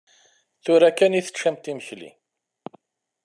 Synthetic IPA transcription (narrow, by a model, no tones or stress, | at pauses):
θʊɾækːæniθə̥ʃæmt̪iməçlḭ